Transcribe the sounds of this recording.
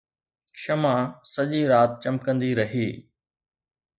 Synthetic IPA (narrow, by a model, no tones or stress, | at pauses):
ʃɐmãsɐʄiɾaːt̪̚t͡ɕɐ̃m̚kə̃nd̪iɾɐɦiː